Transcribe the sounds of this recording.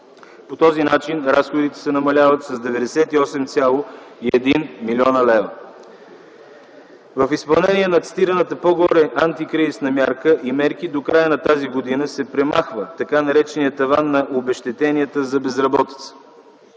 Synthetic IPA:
pot̪ɔzinat͡ʃinɾasxod̪it̪ɛ̥sɛnɐmɐlʲavət̪sɐzd̪ɛvɛd̪ɛsɛt̪iɔsɛmt̪sʲalˠoiɛd̪inmilʲiɔnəlɛvə | vəfispɐlˠnɛnʲiɛnɐt̪sʲt̪iɾənət̪əpoɡɔɾɛʔant̪ikɾizisnɐmʲjaɾkəʔimɛɾk̟id̪okɾajənɐt̪aziɡod̪inəsɛpɾɛmaxvət̪ɐkanɐɾɛt͡ʃɛnijət̪ɐvanːɐʔobɛʃt̪ɛt̪ɛniət̪əzɐbɛzɾɐbɔt̪i̥t̪sə̥

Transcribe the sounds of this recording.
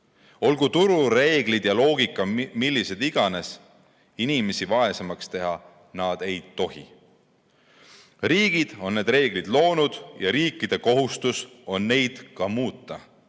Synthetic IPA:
o̞lɡ̥ut̪uɾuɾe̞ːɡlid̪̥jɑlo̞ːɡ̥ikːˑɑmilːise̞d̪̥iɡ̥ɑne̞s | inime̞sivɑe̞semɑkst̪e̞ɦɑ | nɑd̪̥e̞jt̪ːo̞ɦḭ | riːɡ̥id̪̥o̞nːe̞ːd̪re̞ːɡlid̪lo̞ːnud̪̥jɑɾiːkˑːid̪̥e̞ko̞ɦust̪uso̞nːe̞jd̪̥kɑmuːt̪ːˑɑ

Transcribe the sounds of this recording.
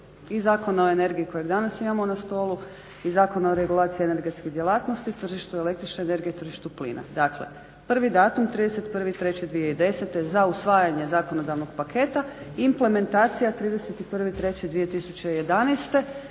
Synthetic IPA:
izaːkonao̞ene̞ɾɡiiko̞jeɡd̪anasimamo̞nast̪o̞ːlu | izaːko̞naoɾe̞ɡulˠaːt̪sijiene̞ɾɡe̞t̪skid̪je̞lˠaːt̪nost̪it̪r̩ʒiʃt̪uele̞kt̪ɾit͡ʃneene̞ɾɡijet̪r̩ʒiʃt̪uplḭːnʔa̰d̪aklḛ | pr̩ʋid̪aːt̪umt̪ɾiːd̪eset̪pr̩ʋit̪ɾe̞t͡ɕed̪ʋijeid̪e̞set̪ezausʋaːjaɲe̞zaːko̞no̞d̪aʋnoɡ̥pakʰe̞t̪aimple̞me̞nt̪aːt̪sijat̪ɾiːd̪e̞set̪ipr̩ʋit̪ɾe̞t͡ɕid̪ʋije̞t̪isu̥t͡ɕe̞ije̞d̪anejst̪e̞

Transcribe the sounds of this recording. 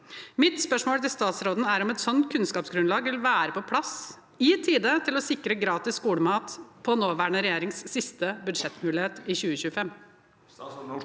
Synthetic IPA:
mɪt̪spœʂmoːlt̪ɪlst̪ɑːt̪sɾoːd̪n̩æɾɔmɛt̪sɔnt̪kʰʉnskɑːpsɡɾʉnlɑːɡʋɪlʋæːɾəpɔpʰlɑs | ɪt̪ʰiːd̪ət̪ʰɪlɔsɪkːɾəɡɾɑːt̪ɪskuːɽəmɑːt̪pʰɔnoːʋæːɳəɾɛjeːɾɪŋsːɪst̪əbʉd̪ʂɛt̪mʉːlɪheːt̪ɪçʉːəçʉːəfɛmː

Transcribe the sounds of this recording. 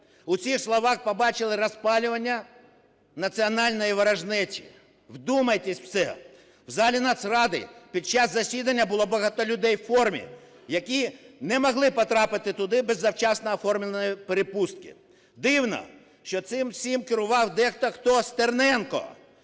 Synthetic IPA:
ʊt͡sʲixslˠɔʋɑxpɔbɑt͡ʃɪlˠɪɾɐspɑlʲʊʋɐnʲːɐ | nɐt͡sʲiɔnɑlʲnɔjiʋɐɾɐʒnɛt͡sʲḭ | wd̪umɐjt̪ɛsʲwsɛ̰ | wzɑlʲinɑt̪srɑd̪ɪ̰pʲid̪̚t͡ʃɑszɐsʲid̪ɐnʲːɐbʊlˠɔbɐɦɑt̪ɔlʲʊd̪ɛjwfɔrmʲḭ | jɐkʲinɛmɔɦlˠɪpɔt̪ɾɑpɪt̪ɪt̪ʊd̪ɪbɛzːɐwt͡ʃɑsnɔːfɔrmʲlʲenɔjipeɾepust̪̚kɪ̰ | d̪ɪwnɔ̰ | ʃt͡ʃɔt̪sɪmsʲimkɪɾʊʋɑwd̪ɛxt̪ɔxt̪ɔst̪ernɛnkɔ̰

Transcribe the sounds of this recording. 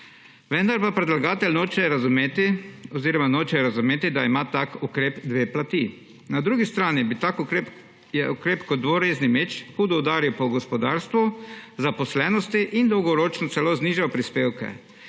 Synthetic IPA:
ʋɛnd̪aɾpapɾɛd̪laɡaːt̪ɛlʲnoːt͡ʃɛjɛɾazumeːt̪iɔziːɾɔmanoːt͡ʃɛjɛɾazʊmeːt̪id̪aimat̪akukɾeːpd̪ʋeːplat̪i | nad̪ɾuːɡist̪ɾaːnibit̪akuɾep | jɛukɾeːpkɔd̪ʋoɾeːznimeːt͡ʃxud̪ɔwd̪aːɾiwpɔɡɔspɔd̪aːɾst̪ʋuzapɔslɛːnɔst̪iʔind̪ɔwɡɔɾoːt͡ʃnɔtsɛloːzniʒapɾispeːwkɛ̰

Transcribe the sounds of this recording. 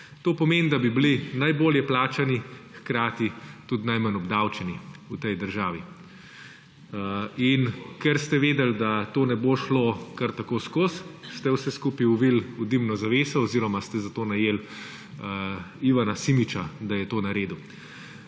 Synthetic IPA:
t̪oːpɔmeːnd̪abiblinajboːljɛplaːt͡ʃanixkɾaːt̪it̪ud̪najmanɔbd̪awt͡ʃɛniut̪ɛjd̪əɾʒaːʋi | inkɛɾst̪ɛʋeːd̪ɛld̪at̪oːnɛboʃlokaɾt̪akoːskosst̪ɛwsɛskuːpiuʋilud̪imnɔzaʋeːsɔɔziːɾɔmast̪ɛzat̪oːnajeːl | iʋanasimit͡ʃad̪ajɛt̪oːnaɾeːd̪u

